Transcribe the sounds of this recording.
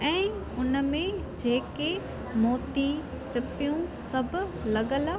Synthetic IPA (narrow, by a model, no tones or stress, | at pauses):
ɛ̃ː | ʊnəmẽ | d͡ʑeːke | moːt̪i | sɪpɪjũsɐbʱlɐɠəla